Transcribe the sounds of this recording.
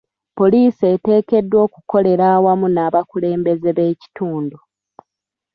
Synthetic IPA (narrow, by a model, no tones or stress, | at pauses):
po̞liːsete̞ːke̞dːwo̞ːku̥ko̞le̞ɾaːwamunaːβakule̞ːmbe̞ze̞βe̞ːci̥tuːndu